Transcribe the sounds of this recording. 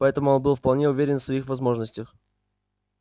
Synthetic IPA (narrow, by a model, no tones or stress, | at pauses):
pɐɛt̪əmʊonbɨlˠfpɐlˠnʲeʊvʲeɾʲɪnfsvɐixvɐzmo̞ʐnəsʲtʲəx